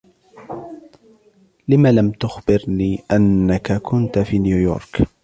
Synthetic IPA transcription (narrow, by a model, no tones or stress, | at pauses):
lɪmaːlamt̪ʊxbɪɾniːʔanːakakʰʊnt̪afiːnjuːjo̰ːɾˤk